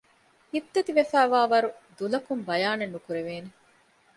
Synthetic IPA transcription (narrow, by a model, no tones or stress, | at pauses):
ibt̪ɐt̪iʋefæːʋaːʋɐɾud̪ulɐkumbɐjaːnenːukuɾeʋeːne